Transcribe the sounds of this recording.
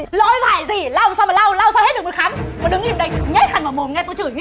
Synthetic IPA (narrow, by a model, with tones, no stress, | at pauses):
lɔ̰˧˥jvaː˧˩jzi˨˩la˧wsa˧wmaː˨˩la˧wla˧wsaː˧whe˦˥t̚ɗk̚m˨˩t̚xaː˨˦mvaː˨˩ɗɨ˨˦ŋʔi˧əmɗə˧jŋɛ˦˥t̚xaː˧˩ŋvaː˨˧˩mo˨˩nŋɛ˧t̪o˧jt͡ɕɨː˧˩jŋwḭ˧˦˥